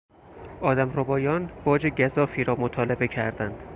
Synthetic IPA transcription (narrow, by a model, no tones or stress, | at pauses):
ʔɒːd̪æmrobɒːjɒːnb̥ɒːd͡ʒeɟæzɒːfiːɾɒːmot̪ʰɒːlebe̞cʰæ̰ɾd̪ænd̪̥